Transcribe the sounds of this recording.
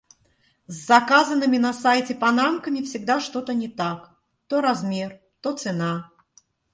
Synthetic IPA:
zːɐkazənːɨmʲɪnɐsajtʲɪpanamkəmʲɪfsʲɪɡ̚d̪aʂt̪ot̪ənʲɪt̪ak | t̪oɾazmʲer | t̪ot̪sɨna

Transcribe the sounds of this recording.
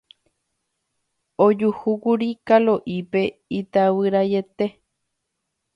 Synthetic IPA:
od͡ʒuhukuɾikaloʔipe̞it̪awɨɾaje̞t̪e̞

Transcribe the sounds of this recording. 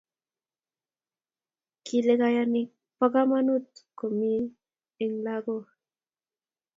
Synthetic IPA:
kʰileɣajanik̚ | paɣamanut̪komi | eŋlaɣo

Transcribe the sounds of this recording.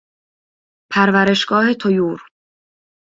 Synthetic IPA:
pʰæɾvæɾe̞ʃɡ̥ɒːhe̞t̪ʰojuːɾ

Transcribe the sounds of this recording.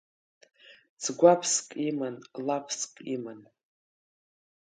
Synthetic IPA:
t͡sʰɡʷapʰskʼimanlapʰskʼiman

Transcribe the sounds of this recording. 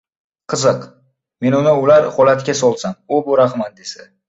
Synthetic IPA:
qʰɨzɨq | me̞nʊnɪʊlaɾχolat̪kʲasɒlˠsamʊbʊɾaχmat̪̚d̪esa

